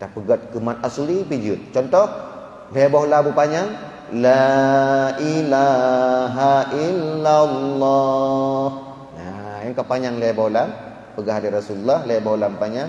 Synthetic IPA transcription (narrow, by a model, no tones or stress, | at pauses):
t̪apəɡat̪̚kəmanasulipid͡ʒut̪̚t͡ʃɔnt̪ɔh | lebɔhlabupaɲaŋ | la | ʔilaɦaʔilːalːɔ | h | jajaŋkapaɲaŋlebɔhlam | pəɡaɦadiɾasululːahlebɔhlabpaɲaŋ